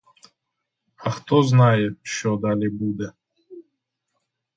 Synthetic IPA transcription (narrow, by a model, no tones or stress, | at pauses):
axt̪ʰɔznajeʃɔd̪alibud̪ɛ